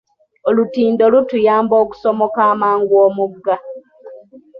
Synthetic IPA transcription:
olutiːndolutujaːmbo̞ːku̥somokaːmaːŋɡwoːmuɡa

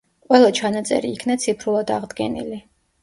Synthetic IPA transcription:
qʼwɛlˠat͡ʃʰanat̪sʼɛ̰ɾiːkʰnat̪sʰipʰɾulˠad̪aʁd̪ɡɛ̰nḭli

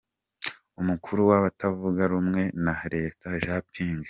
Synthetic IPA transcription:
umukʰuɾuwaβatʰavuɡaɾumŋe̞naɾe̞ːtʰaʒapʰiːŋɡ

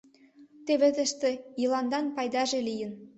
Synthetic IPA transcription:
t̪eβĕt̪ə̆ʃt̪ĕjilɑnd̪ɑnpɑjd̪ɑʒelijə̆n

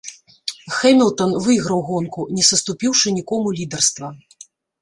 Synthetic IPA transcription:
xɛmʲilˠt̪ɐnvɨɣɾɐwɣɔnkunʲɛsɐst̪upʲiwʂɨnʲikɔmulʲid̪ɛrst̪vɐ

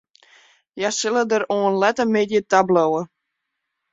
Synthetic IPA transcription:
jasɪlˠədəɾoənlɛtəmetjətablowə

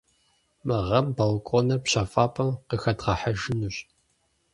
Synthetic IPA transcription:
mɨʁɐmbɐlkʷʼonɐpɕafaːpʰʼɐmqəxɐdʁɐħaʒɪnuɕ

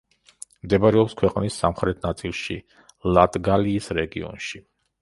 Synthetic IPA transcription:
md̪ɛbaɾɛɔpskʰwɛqʼnisːamχɾɛt̪ʰnat̪sʼilˠʃḭ | lˠat̪ʼɡaliːsɾɛɡḭɔ̰nʃi

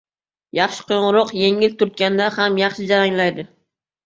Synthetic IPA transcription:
jɑχʃɪ̥qʰojɴʊɾɒqje̞ŋɪlt̪ʰʊɾt̪̚kʲand̪ahamjɑχʃɪd͡ʒaɾaŋlajd̪ɪ

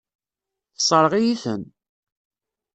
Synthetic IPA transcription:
θəsˤəɾˤʁijiθə̰n

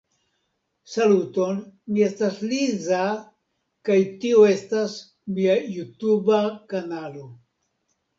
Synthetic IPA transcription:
saluto̞nmie̞stasliza | kajtioe̞stas | miajutubakanalo̞

